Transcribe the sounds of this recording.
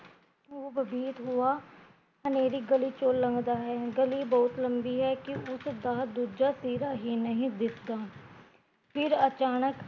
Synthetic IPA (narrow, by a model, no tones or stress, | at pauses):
oːbəbiːt̪ɦʊaː | əneːɾiːɡəliːt͡ʃoːlːəŋɡd̪aːɦɛːɡəliːbɔːt̪ləmbiːɦɛːkɪʊsd̪aːd̪uːd͡ʒaːsiːɾaːɦiːnəɦĩːd̪ɪt̪ʰd̪aː | pʰɪɾət͡ʃaːnək